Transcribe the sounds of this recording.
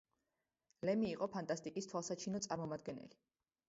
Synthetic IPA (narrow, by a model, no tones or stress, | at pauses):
lɛmiːqʼɔpʰant̪ʼast̪ʼikʼist̪ʰwalˠsat͡ʃʰinɔt̪sʼaɾmɔmad̪ɡɛnɛ̰li